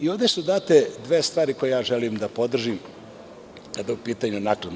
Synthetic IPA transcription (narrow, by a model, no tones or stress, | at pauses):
io̞ʋd̪esud̪aːt̪ed̪ʋe̞ːst̪ʋaːɾiko̞jejaːʒelimd̪apo̞d̪r̩ʒim | kad̪aupiːt̪aɲunakɾad̪